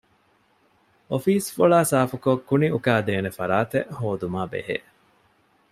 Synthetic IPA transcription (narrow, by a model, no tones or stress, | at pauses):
ofiːsfoɭaːsaːfukokːuniʔukaːd̪eːnefɐɾaːt̪eʔhoːd̪umaːbḛɦḛ